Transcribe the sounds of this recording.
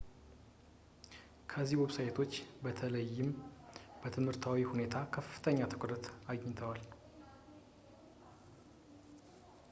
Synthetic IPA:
kʰəziwɛβsajt̪ʰo̞t͡ʃːbət̪ʰələjːɪmb̥ət̪ʰɨmhɨɾt̪ʰawihune̞t̪ʰakʰəfːɨ̥t̪ʰəɲːat̪ʰɨkʷʼɾət̪aɡɲt̪ʰəwal

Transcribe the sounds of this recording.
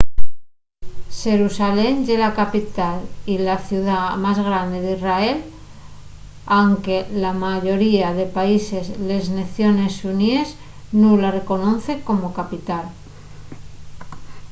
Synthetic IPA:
ʃe̞ɾusale̞mʎelakapit̪alilaθjuðamazɣɾand̪eðisrae̞l | awŋke̞lamaʝo̞ɾiaðe̞paise̞zle̞zneθjo̞ne̞sunie̞z | nulare̞ko̞noθe̞ko̞mo̞kapit̪al

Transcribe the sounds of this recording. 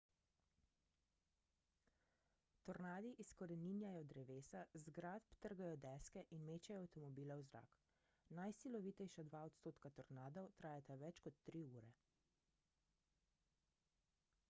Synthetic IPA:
t̪ɔɾnaːd̪iʔiskɔɾɛninjajɔd̪ɾɛʋeːsazɡɾaːt̪pt̪əɾɡajɔd̪ɛskɛʔinmeːt͡ʃɛjɔawt̪ɔmɔbiːlɛwzɾa̰k | najsilɔʋiːt̪ɛjʃad̪ʋaːɔt̪st̪oːt̪kat̪ɔɾnaːd̪ɔwt̪ɾaːjat̪aʋɛt͡ʃkɔt̪ːɾiuːɾɛ

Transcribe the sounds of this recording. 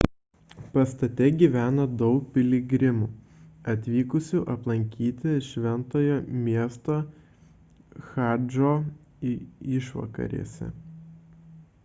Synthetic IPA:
pɐst̪ɐt̪ʲɛɡʲiːʋʲæːnɐd̪ɒʊk̚pʲɪlʲɪɡʲɾʲɪmuː | ɐt̪ʲʋʲiːkʊsʲuʔɐplˠɐŋʲkʲiːt̪ʲɪʃʲʋʲɛnt̪oːjoːmʲiɛst̪oː | xɑˑd͡ʒoː | ɪʃʋɐ̰kɐ̰ɾʲḛsʲɛ̰

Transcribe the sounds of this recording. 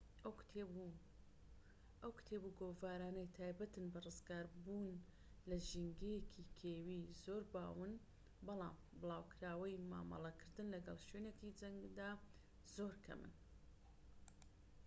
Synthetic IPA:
ʔw | ʔɐwkt̪ʰeːbuɡoːvaːɾaːnɐjt̪ʰaːjbɐt̪ɨnbɐrɨzɡaːɾbuːn | lɐʒiŋɡejekʰikʰeːwiːzoːɾba̰ːwɨn | bɑlˠɑ̰ːm | bɨlˠaːwkʰɾaːwɐjma̰ːmɑ̰lˠɐkʰɨɾd̪ɨnlɐɡɐlˠʃwenekid͡ʒɐŋɡd̪aː | zoːɾkʰɐ̰mɨ̰n

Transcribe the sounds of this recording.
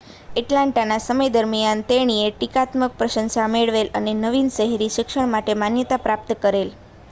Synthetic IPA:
eʈlãɳʈanasəməjd̪əɾmijant̪eɽ̃ieʈikat̪mək̚pɾəʃə̃nsameɭʋelənenəʋinʃəɦeɾiʃɪkʂəɳmaʈemanjət̪apɾap̚t̪əkəɾel

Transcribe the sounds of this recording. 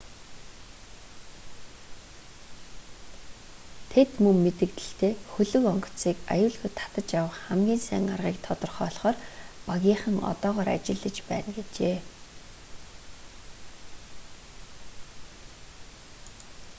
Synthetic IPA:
t̪ʰet̪mɵŋmːet̪ɘ̆kt̪ɘ̆ɬt̪ʰeːxɵɮɵ̆kɔŋk̆ʰt͡siːka̰jʊːɮɣŭːjt̪ʰːḁt̪ə̆t͡ɕjawə̆χχæmɡʲiːnsæ̰ːŋarʁiːkt̪ʰɔt̪ɞ̆rχɔːɮχɔːrpaɣʲiːχə̆ŋɔ̰t̪ɔːʁɔːɾa̰t͡ɕɪ̆ɮːə̆t͡ɕpæːnɡet͡ɕeː

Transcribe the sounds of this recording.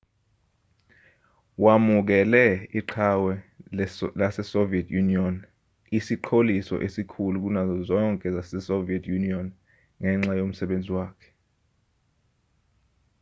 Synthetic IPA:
wamuk̬ɛlɛiǃʰawɛ | lasɛsoviɛtʰjuniɔn | isiǃʰolisɔ̰ʔesikʰuluk̬unazɔzɔŋkʼɛzasɛsoviɛtʰjuniɔn | ŋɛŋ͡ǁajom̩sɛɓend͡zʱiwaːkʰɛ̥

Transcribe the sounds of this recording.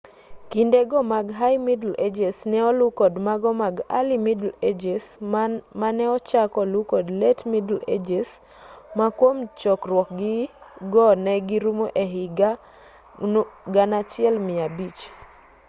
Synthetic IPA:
kindeɡɔmaɡɦajmidled͡ʒesnɛɔlukɔdmaɡɔmaɡa̰limidled͡ʒesmanɛɔt͡ʃakɔlukɔdletmidled͡ʒes | makwomt͡ʃɔkrwɔk̚ɡɪɡɔnɛɡɪɾumoʔeɦɪɡa | ɡanat͡ʃɪɛlmɪabit͡ʃ

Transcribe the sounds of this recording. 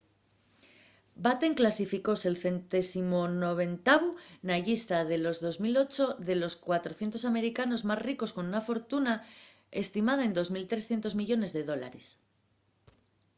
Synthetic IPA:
bat̪eŋklasifiko̞selθe̞nt̪e̞simono̞β̞e̞nt̪aβunaʝist̪aðe̞lo̞zðo̞zmilo̞t͡ʃo̞ðe̞lo̞skwat̪ɾoθjent̪o̞s̬ame̞ɾikano̞zmazriko̞sko̞nunafo̞ɾt̪una | e̞st̪imað̞ae̞nd̪o̞zmilt̪ɾe̞sθjent̪o̞zmiʝo̞ne̞zðe̞ð̞o̞la̰ɾes

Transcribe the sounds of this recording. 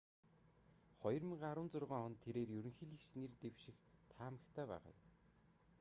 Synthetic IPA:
χɔjɞ̆rmĭɴɢaɾʊ̆ːnt͡sʊrʁaːŋχɔnt̪ʰːeɾeːrjɵɾɵ̆ŋxĭːɮixsnert̪ewʃɪ̆xt̪ʰaːmə̆kt̪ʰæːpæ̰ːʁa̰ː

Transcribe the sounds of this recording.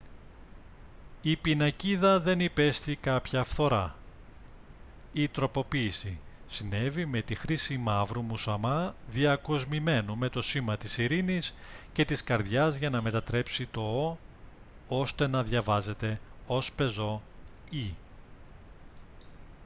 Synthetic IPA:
ipinɐciðɐðe̞nipe̞st̪ikɐpçɐfθo̞ɾɐ | it̪ɾo̞po̞piːsisine̞vime̞t̪ixɾisimɐvɾumusɐmɐðiɐko̞zmime̞nume̞t̪o̞simɐt̪isiɾinisce̞t̪iskɐɾðʝɐzʝɐnɐme̞t̪ɐt̪ɾe̞psit̪o̞o | o̞st̪e̞nɐðʝɐvɐze̞t̪e̞o̞spe̞zo̞i

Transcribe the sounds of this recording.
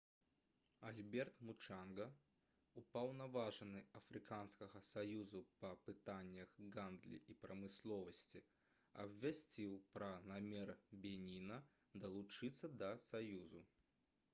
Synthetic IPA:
alʲbʲɛrt̪mut͡ʂanɡɐ | upɐwnɐvaʐɨnɨɐfɾɨkanskɐɣɐsajuzupɐpɨt̪anʲːɐɣɡand̪lʲḭʔipɾɐmɨslˠɔvɐsʲt͡sʲi | ɐ̰bʲvʲasʲt͡sʲiwpɾɐnamʲɛrbʲɛnʲinɐ | d̪ɐlˠut͡ʂɨt̪sːɐd̪ɐsajuzu

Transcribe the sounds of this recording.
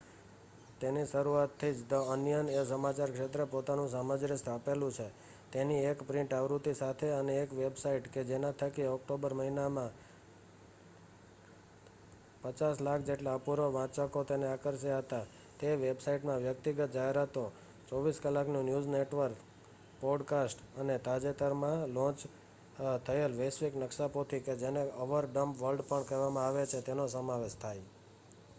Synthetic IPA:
t̪eniʃəɾuat̪ʰːid͡ʒd̪əənjənesəmat͡ʃaɾkʃet̪ɾəpot̪anũs̬aməd͡ʒɾɪst̪ʰapelũt͡ʃʰe | t̪eniekpɾɪ̃ɳʈaʋɾut̪isat̪ʰeəneːkʋebsaiʈked͡ʒenat̪ʰəkiɔk̚ʈobəɾməɦinamã | pət͡ʃaslakʰd͡ʒeʈlapuɾoʋãt͡ʃəkot̪eneakəɾʃeaɦət̪a | t̪eʋebsaiʈmãʋjəkt̪iɡət̪̚d͡ʒaɦeɾat̪o | t͡ʃɔʋiskəlaknũnjud͡ʒneʈʋəɾk | pɔɖkasʈ | ənet̪ad͡ʒet̪əɾmãlɔ̃t͡ʃ | t̪ʰəelʋesʋiknəkʃapot̪ʰiked͡ʒeneəʋəɾɖəmpʋəɾlɖpəɳkəʋamãaʋet͡ʃʰet̪enosəmaʋeʃt̪ʰaj

